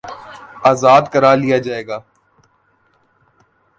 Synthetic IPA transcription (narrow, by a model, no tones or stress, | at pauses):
aːzaːd̪kɐɾaːlijad͡ʒaːeːɡaː